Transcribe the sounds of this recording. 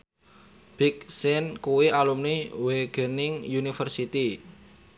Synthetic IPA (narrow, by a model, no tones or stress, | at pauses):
b̥ɪksɛnkuwialumniweɡ̥ɛ̤nɪŋjunifərsit̪i